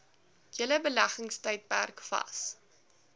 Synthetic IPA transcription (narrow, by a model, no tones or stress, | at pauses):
jələbəlæχəŋstəjt̚pærkfɐ̰s